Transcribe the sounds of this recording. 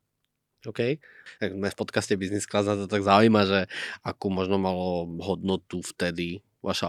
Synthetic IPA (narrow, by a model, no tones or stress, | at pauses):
ɔʊkɛj | aɡmɛfpɔt̪kascɛbiznisklazat̪ɔt̪aɡzaujmaʒɛakuːmɔʒnɔmalɔɦɔd̪nɔt̪uft̪ɛd̪i | ʋa̰ʃa